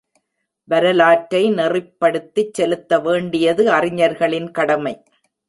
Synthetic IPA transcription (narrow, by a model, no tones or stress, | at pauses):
ʋɐɾɐlaːʈɾɐɪnɛrɪpːɐɽɯt̪ːit͡ʃsɛlɯt̪ːɐʋeːɳɖɪjɐðɯɐrɪɲɐɾɣɐɭɪnkɐɽɐmɐɪ